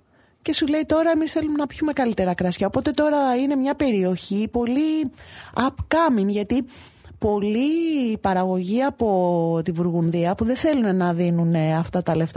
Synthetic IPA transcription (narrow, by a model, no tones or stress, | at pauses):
ce̞sule̞it̪o̞ɾɐe̞misθe̞lumenɐpçume̞ɣɐlit̪e̞ɾɐkɾɐsçɐopo̞t̪e̞t̪o̞ɾɐine̞mɲɐpe̞ɾio̞çipo̞li | ɐpkɐminʝɐt̪i | po̞lipɐɾɐɣo̞ʝiɐpo̞t̪ivuɾɣunðiɐpuðeθe̞lune̞nɐðinuneɐft̪ɐt̪ɐle̞ft̪ɐ